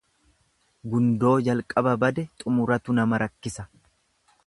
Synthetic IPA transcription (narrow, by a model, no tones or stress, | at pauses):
ɡʊnd̪o̞ːd͡ʒɐlkʼɐbɐbɐd̪ɛt̪ʼʊmʊɾɐt̪ʊnɐmɐɾɐkːɪsɐ